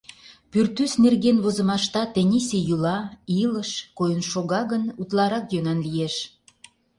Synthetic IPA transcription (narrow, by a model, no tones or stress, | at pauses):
pyrt̪ysnerɣenβozə̆mɑʃt̪ɑt̪enʲisejulɑiləʃkojənʃoɣɑɣənut̪lɑɾɑkjønɑnlijeʃ